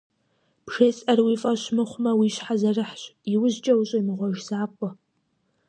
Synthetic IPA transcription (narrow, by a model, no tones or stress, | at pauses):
pʃeːsʼɐrwiːfʼɐɕmɨχʷʊmɐwiɕħazɐrɨħɕʼiwʊʑt͡ʃʼɐwɕʼɐmɨʁʷɔʒzaːqʷʼɔ